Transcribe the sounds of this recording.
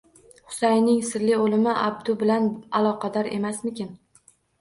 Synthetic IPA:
hʊ̥sajnɪŋsɪɾlɪolɪmɪʔa̰b̚d̪ʊbɪlanalˠɒqʰɑd̪ɒɾe̞masmɪkʲɪn

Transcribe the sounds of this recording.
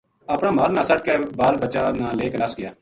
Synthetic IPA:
əpɽ̃aːmaːɾnãːsəʈ̚ʰkeːbaːlbət͡ʃaːnãːleːknəsɡɪjaː

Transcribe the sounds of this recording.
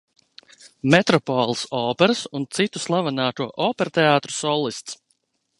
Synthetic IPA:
mɛt̪ɾɔpɔːlˠisɔːpɛɾɨsunt̪sit̪uslˠavanaːt̪uɔʔɔːpɛɾt̪ɛaːt̪ɾu̥sɔlˠist̪s

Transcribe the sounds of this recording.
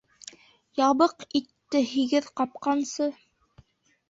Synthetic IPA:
jɑβɤqit̪ːɘɦiɡɘðqɑp̚qɑnsɤ

